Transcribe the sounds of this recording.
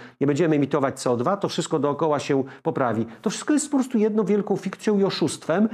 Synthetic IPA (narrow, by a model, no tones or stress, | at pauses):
ɲɛbɛɲd͡ʑɛmɘɛmʲit̪ɔvat͡ɕ̚t̪sɛɔd̪vat̪ɔfʂɘst̪kɔd̪ɔːkɔwaɕɛpɔpɾavʲit̪ɔfʂɘ̥st̪kɔjɛst̪pɔpɾɔst̪ujɛd̪nɔ̃vʲjɛlkɔ̃w̃fʲikt̪sjɔ̃w̃iɔʂust̪fɛm